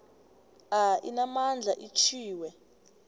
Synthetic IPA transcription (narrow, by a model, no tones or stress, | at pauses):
ainamand͡ɮʱaʔit͡ʃʰiːwɛ